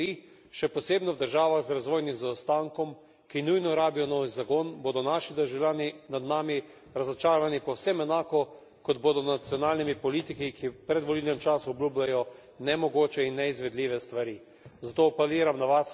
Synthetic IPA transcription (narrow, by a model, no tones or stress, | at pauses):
i | ʃɛpɔseːbnɔwd̪əɾʒaːʋaɣzɾazʋoːjnimzaɔst̪aŋkɔm | kinujnɔɾaːbijɔnɔːʋizaɡonboːd̪ɔnaʃid̪əɾʒawlʲaːninad̪naːmi | ɾazɔt͡ʃaːɾanipɔwsɛmɛnaːkɔ | kɔd̪boːd̪ɔnat̪sjɔnaːlnimipɔliːt̪ikikʰipɾɛd̪ʋɔlilnɛmt͡ʃaːsuɔbluːblʲajɔ | nɛmɔɡoːt͡ʃɛinːɛizʋɛd̪lʲiːʋɛst̪ʋaɾi | zat̪oːpɛliːɾamnaʋas